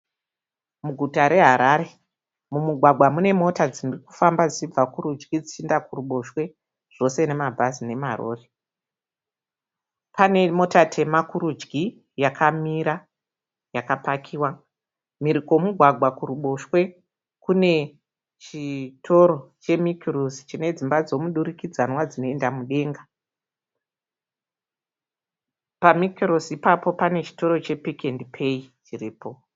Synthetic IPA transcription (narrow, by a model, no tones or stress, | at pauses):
muɡʱutaɾe̞ɦaɾaɾe̞ | mumuɡʱwaɡʱwamune̞mo̞tad͡zinuriku̥fambad͡zit͡ʃib͡vakuɾud͡ʒɡid͡zit͡ʃindakuruɓo̞ʃwe̞ | ʐ̥o̞se̞ne̞mabʱazine̞maro̰ːre | pane̞mo̞tatʰe̞makuɾud͡ʒɡi | jakʰamiɾa | jakapakʰiːwa | miɾiko̞muɡʱwaɡʱwakuruɓo̞ʃwe̞ | kune̞ | t͡ʃitʰo̞ɾo̞t͡ʃe̞mikirosi̥t͡ʃine̞d͡zimbad͡zo̞muɗuɾikid͡zanwad͡zino̞endamuɗe̞ːŋɡa | pamikirosiipapo̞pane̞t͡ʃi̥to̞ɾo̞t͡ʃe̞pikendipʰe̞it͡ʃiriːpo̞